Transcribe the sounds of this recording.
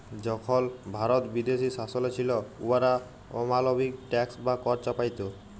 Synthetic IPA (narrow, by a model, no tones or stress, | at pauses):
d͡ʑɔkʰɔlbʱaɾɔt̪bid̪esisasɔlet͡ɕʰilɔṵaɾa | ɔ̰malobʱik̚ʈɛksbakɔɾt͡ɕapajt̪o